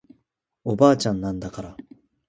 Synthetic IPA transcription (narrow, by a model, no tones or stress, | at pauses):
obaːt͡ɕãnːãnd̪akaɾa